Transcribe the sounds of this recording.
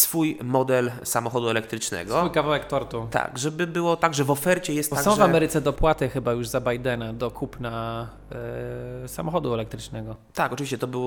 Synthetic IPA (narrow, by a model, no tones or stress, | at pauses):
sfujmɔd̪ɛlsamɔxɔd̪uɛlɛk̚t̪ɾɘt͡ʂnɛ̰ɡsɔujkavawɛkt̪ɔɾt̪ut̪a̰ɡʐɛbɘbɘwɔt̪aɡʐɛvɔfɛɾt͡ɕɛjɛst̪ɔsaɡɔ̃w̃ʐvamɛɾɘt̪sɛd̪ɔpwat̪ɛxɘbajuʐzabajd̪ɛnad̪ɔkʰupna | sa̰mɔxɔd̪uɛlɛk̚t̪ɾɘt͡ʂnɛɡɔ | t̪akɔtt͡ʂviɕt͡ɕɛt̪ɔbɘw